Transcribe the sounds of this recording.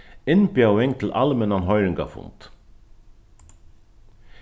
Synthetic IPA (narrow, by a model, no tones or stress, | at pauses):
ɪnbjɑwɪŋt̪ʰɪl̩ʔɑ̰lmɛnɑnɦœʏɾɪŋɡa̰fʊ̰nt̪